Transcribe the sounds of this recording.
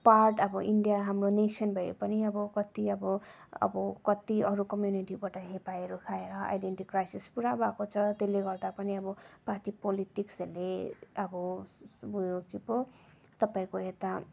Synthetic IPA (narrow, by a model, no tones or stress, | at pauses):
parʈʌbʌʔiɳɖijaɦamronesʌnbʱʌjḛpʌniʌbʌkʌt̪iʌbʌʌ̰bʌkʌt̪iʌɾukʌmjuniʈibaʈʌɦepaeɾokʰaeɾʌa̰jɖeɳʈikːrajsispuɾabakot͡sʰʌt̪eleɡʌrd̪apʌniʌbʌparʈipoliʈikseleʌbʌbujokipot̪ʌpaĩkoet̪a